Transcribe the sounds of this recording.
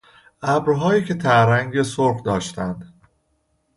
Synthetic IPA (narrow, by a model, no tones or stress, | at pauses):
ʔæbɾɦɒːjiːcʰe̞t̪ʰæɾæŋɡesoɾχd̪ɒːʃt̪ænd̪̥